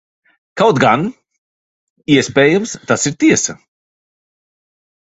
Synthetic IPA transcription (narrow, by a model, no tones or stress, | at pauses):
kawt̪ɡan | iɛspeːjəmst̪asiɾt̪iɛsɐ